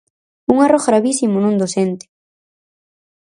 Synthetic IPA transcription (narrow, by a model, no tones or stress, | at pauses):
uŋarɔɣɣɾaβisimonũnd̪osent̪ɪ̥